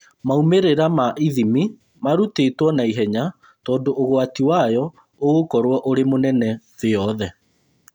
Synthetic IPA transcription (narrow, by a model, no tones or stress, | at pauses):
maumeɾeɾamaʔiðimi | maɾutetwɔnaiɦɛɲa | tɔːndoʔːɣwatiwajɔ | oɣokɔɾwɔʔoɾemonɛnɛ | ðeɔðɛ